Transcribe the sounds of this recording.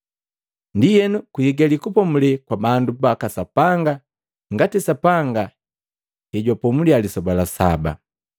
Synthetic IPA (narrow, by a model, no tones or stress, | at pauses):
ndijɛnukuiɡalikupɔmulɛkwabandubakasapaŋɡa | ŋɡatisapaŋɡa | hɛɟwapɔmulialisɔbalasa̰ba̰